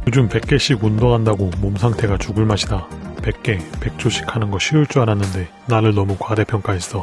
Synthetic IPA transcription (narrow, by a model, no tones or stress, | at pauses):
jod͡ʑumpe̞k͈e̞ɕ͈ʰiɡundʌɡɦandaɡomomsʰaŋtʰe̞ɡat͡ɕuɡɯɭmaɕʰidape̞k̚k͈e̞pe̞k̚t͡ɕ͈ʰoɕʰi̥kʰanɯnɡʌɕʰiuɭt͡ɕ͈uananːɯnde̞ | naɾɯɭnʌmukwade̞pʰjʌŋk͈ais͈ʌ